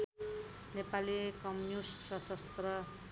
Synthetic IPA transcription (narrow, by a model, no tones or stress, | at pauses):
nepaliekʌmnusːʌsʌst̪rʌ